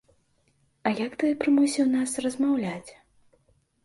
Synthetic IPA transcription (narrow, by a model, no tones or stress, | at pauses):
ɐjakt̪ɨjɛpɾɨmusʲiwnasrɐzmawlʲat͡sʲ